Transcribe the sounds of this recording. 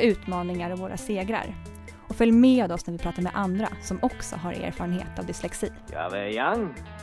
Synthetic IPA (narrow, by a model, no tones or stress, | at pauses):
ʉ̟ːt̪mɑːnɪŋaɾɔvvoːɾʔa̰seːɡɾa̰ɾ | ɔfœljmɛad̪ɔsnæɾvɪpʰɾɑːt̪aɾmɛ̰ʔand̪ɾa̰sɔmɔksɔ̰ɦaɾḛːɾfɑɾənhḛːt̪avd̪ɪslɛksiːja̰vɛjaŋ